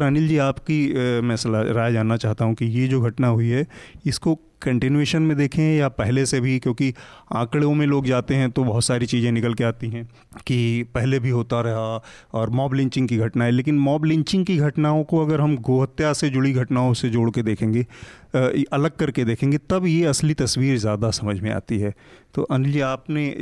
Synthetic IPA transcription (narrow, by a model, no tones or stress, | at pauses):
ɾaːnɪld͡ʒiːaːpkimɛ̃səlaɾaːjd͡ʒaːnːat͡ʃaːɦt̪aɦũkijed͡ʒoːɡʱɐʈnaɦʊiɦɛɪsko | kɐ̃ɳʈɪnueːʃənmẽd̪eːkʰẽjapɛɦlesebʱikjõːkiã̰ːkɽeõmẽloːɡd͡ʒaːt̪eɦɛ̃t̪obɐɦʊt̪saːɾit͡ʃiːzẽnɪkəlkeaːt̪iɦɛ̃ | kipɛɦlebʱiɦoːt̪aɾɐɦaɔːɾmɔːblɪ̃ɲt͡ʃɪ̃ŋɡkiɡʱɐʈnaɦɛleːkɪnmɔːblɪ̃ɲt͡ʃɪ̃ŋɡkiɡʱɐʈnaːõkoɐɡəɾɦɐmɡoːɦət̪jased͡ʒʊɭiɡʱɐʈnaːõsed͡ʒoːɽked̪eːkʰẽːŋɡe | ʔɐləɡ̚kɐɾked̪eːkʰẽːŋɡet̪ɐbjeɐslit̪ɐswiːɾzjaːd̪asɐməd͡ʒʱmẽa̰ːt̪iɦɛːt̪o̰ːʔɐ̃nld͡ʒiaːpne